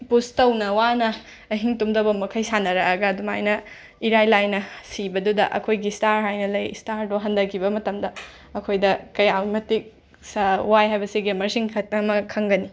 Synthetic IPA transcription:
pustɐwnɐwanɐː | ɦiŋtumdɐbɐmɐkʰɐjsanːɐɾɐːɡɐːduma̰jnɐ | iɾajlajnɐsibɐdudɐʔɐ̰kʰojɡistaɾɦajnɐlɐjstaɾduɦɐndɐkʰːibɐmɐtɐmdɐ | ɐkʰojdɐkɐjawmɐtik̚ | swajɦajbɐsiɡemɐɾsiŋʰɐmɐkʰɐŋɡɐni

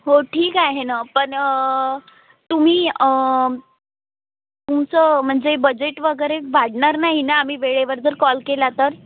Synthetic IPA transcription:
ɦoʈʰiːkaɦenapəɳə | t̪um̤iː | t̪umt͡səm̤əɳd͡zebəd͡ʑeʈʋəɡəɾeʋaɽɳaɾnaɦinaːm̤iːʋeɭeʋəɾd͡zəɾkɔlkelat̪əɾ

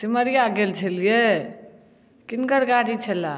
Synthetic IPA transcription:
t̪iməɾijaɡelt͡ʃʰəlije | kinkəɽɡaɽit͡ʃʰəla

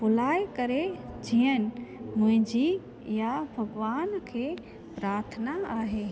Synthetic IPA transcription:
bʊlaːjkɐɾed͡ʑijən̆mʊ̃ɦɪ̃d͡ʑi | jabʱɐɡʋaːnkʰeː | pɾaːɾt̪ʰənaaːɦeː

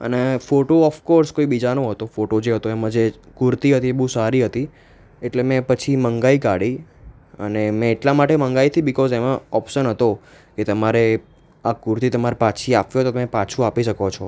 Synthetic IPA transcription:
ə̰nefoʈoɔfkɔɾskoibid͡ʒanoɦət̪ofoʈod͡ʒeɦət̪oemãd͡ʒe | kʊɾt̪iɦət̪iebəɦũsaɾiɦət̪i | eʈlemɛ̃pət͡ʃʰiməŋɡaikaɽi | ə̰nemɛ̃ːʈlamaʈeməŋɡait̪ʰibɪkɔzemãɔpʃənɦət̪o | ket̪əmaɾe | akuɾt̪it̪əmaɾpat͡ʃʰiapjõət̪ot̪əmepat͡ʃʰũapiʃəkot͡ʃʰɔ

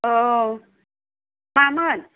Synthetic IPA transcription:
ʔɤː | maːmɯːn

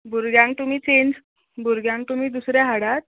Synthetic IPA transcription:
buɾɡjãŋkt̪um̤iːt͡ɕend͡z | buɾɡjãŋk̚t̪um̤iːd̪usɾjaɦaɽat̪̚

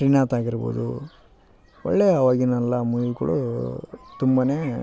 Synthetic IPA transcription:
ɾiːnaːt̪aːɡiɾbo̰ːd̪u | ɔ̰ɭːeːɐʋaːɡinɐlːɐmujukuɭṵ | t̪umbaːneː

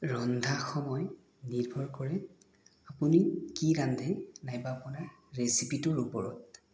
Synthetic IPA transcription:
ɹɔndʱaxɔmɔj | niɹbʱɔɹkɔɹɛ | apunikiɾandʱɛnajbaːpʊna | ɹesipitɔɹupɔɹɔ̰t̚

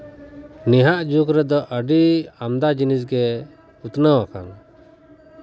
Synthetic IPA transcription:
nɛɦaʔd͡ʒukɾɛd̪ɔʔəɖiamd̪ad͡ʒinisɡɛ | ut̪nəwaka̰n

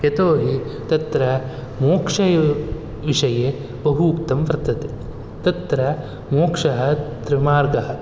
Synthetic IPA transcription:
jet̪oːɦit̪ɐt̪ɾɐ | moːkʂɐjɐ | ʋiʂɐje | bɐɦuːkt̪ɐmpɾɐt̪ɐt̪e | t̪ɐt̪ɾɐ | moːkʂɐɦɐ̆t̪ɾɐmaːɾɡɐɦɐ

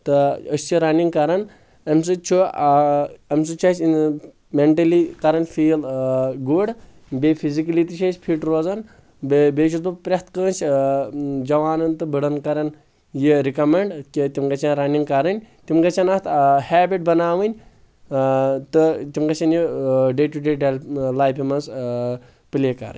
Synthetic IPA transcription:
t̪ɨəsʲt͡ʃiɾɐniŋɡkɐɾɐn | ɐmʲs̬ɨt͡ʃʰo | ɐmʲsɨt͡ʃʰɐsn | meɳʈɐlikɐɾɐnfiːlɡuɖ | bʲepʰizikɐlit̪iʃʰɐt͡ʃʲpʰiʈɾoːzɐn | bbeːt͡ʃʰut̪upɾʲɐht̪kəːnt͡ʃʰ | d͡ʒɐʋaːnɐnt̪ɨbiɽɐnkɐɾɐn | jiɾikɐmeɳɖkit̪imɡɐt͡ʃʰanɾɐniŋɡkɐɾɐnʲt̪imɡɐt͡ʃʰɐnɐt̪hæːbiʈ̚bɐnaːʋɨnʲ | t̪ɨt̪imɡɐt͡ʃʰɐnʲjiɖeːʈuɖeːɖellaːjpʰʲimɐns | pɨlikɐ̰ɾɨ̰nʲ

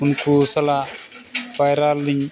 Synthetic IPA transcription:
ʊnkusɐla | bajɾalːiɲ

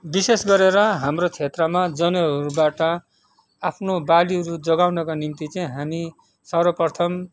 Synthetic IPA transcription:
bisesɡʌɾeɾʌɦamrot͡sʰet̪rʌmad͡zʌnʌɦʌɾubaʈʌ | apʰnobaliɦʌɾud͡zʌɡawnʌkanimt̪it͡saĩɦami | sʌrwʌpʌrt̪ʰʌm

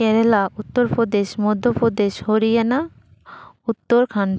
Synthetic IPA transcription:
ɛɾelaʔut̪ːoɾpɾod̪eʃmod̪ʱːopɾod̪eʃhoɾijana | ut̪ːoɾkʰan

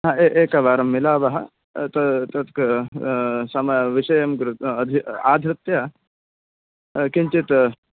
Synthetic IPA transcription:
ɦɐeʔeːkɐʋaːɾɐmːilaːʋɐɦɐ̰ | t̪ɐt̪ɐt̪k | sɐmɐʋiʃɐjɐmɡɾɐd̪ʱiaːd̪ʱɾɪt̪jɐ | kiɲt͡ʃit̪

